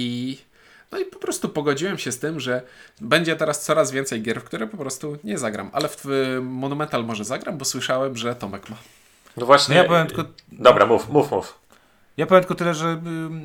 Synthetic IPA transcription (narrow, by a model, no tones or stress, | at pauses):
i | nɔipɔpɾɔst̪upɔɡɔd͡ʑiwɛmɕɛst̪ɘmʐɛbɛɲd͡ʑɛt̪ɛɾast̪sɔɾazvʲjɛnt̪sɛjɡʲjɛɾfkt̪uɾɛpɔpɾɔst̪uɲɛzaɡɾa̰mʔa̰lɛft̪fmɔnumɛnt̪almɔʐɛzaɡɾambɔswɘʂawɛmʐɛt̪ɔmɛkma | nɔvwaɕɲɛjapɔvjɛmt̪kɔd̪ɔbɾamufmufmṵf | japɔvʲjɛmt̪kɔt̪ɪlɛʐɛ